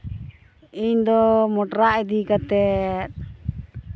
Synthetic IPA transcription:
iɲd̪ɔmɔʈɾaʔɛd̪ikat̪ɛt̪̚

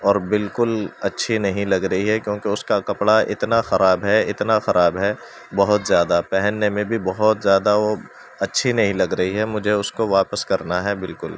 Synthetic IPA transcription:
ɔːɾbɪlkʊlɐtːʃʰinɐɦĩlɐɡɾɐɦiɦɛkjõːkeʊskakɐpɽaʔɪ̰t̪naxɐɾaːbɦɛɪt̪naxɐɾaːbɦɛ | bɐɦʊt̪zjaːd̪apɛɦɛnːemẽbʱibɐɦɔt̪zjaːd̪aʋo | ɐtːʃʰinɐɦĩlɐɡɾɐɦiɦɛmʊd͡ʒʱeʊskoʋaːpəskɐɾnaɦɛbɪlkʊl

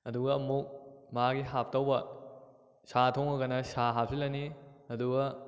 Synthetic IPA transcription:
ɐduɡɐɐmuk̚mɐaɡiɦap̚ʰtɐwbɐ | satʰoŋɐɡɐnɐsaɦap̚silɐniɐduɡɐ

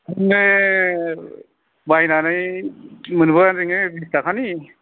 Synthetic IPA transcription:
ɯne | bajnanaj | mɯnbɯanɾiŋebistakʰani

